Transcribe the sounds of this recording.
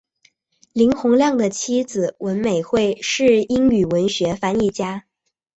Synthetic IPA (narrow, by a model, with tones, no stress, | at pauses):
li˧˥ŋxʊ˧˥ŋljɑ˥˩ŋd̪ə˩t͡ɕʰi˥d͡zɹ̩˨wʔə˧˥nme˨˩ɪxwe˥˩ɪʂɻ̩˥˩i˥ŋy˨˩wə˧˥nɕɥɛ˧˥fa˧˥ni˥˩t͡ɕja˥